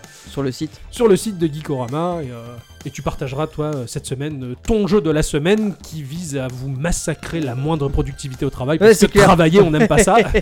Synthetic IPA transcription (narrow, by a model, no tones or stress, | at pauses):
syʁləsit̪syʁləsit̪̚d̪əɡʲikɔʁamaeøet̪ypaʁt̪aʒʁat̪waøsɛt̪səmɛnøt̪ɔ̃ʒød̪əlasəmɛnkʲʰivizavumasakχelamwɛ̃d̪ʁəpχɔd̪yk̚t̪ivit̪eot̪χavajpaskəχavajeɔ̃nɛmmpasa